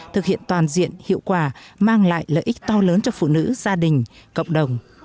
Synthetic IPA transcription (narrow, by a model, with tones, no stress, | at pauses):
t̪ʰɨ˨˩k̚hi˧˨ənt̪waː˨˩nzḭ˧˨ənhḭ˧˨əwkwaː˧˨˩maː˧ŋla̰ː˧˨jlə̰ː˧˨jʔï˦˥k̚t̪ɔ˧ləː˨˦nt͡ɕɔ˧fṵ˧˨nɨ̰˧˥zaː˧ɗï˨˩ŋ̟kə̰˧˨wŋ͡mɗə˨˩wŋ͡m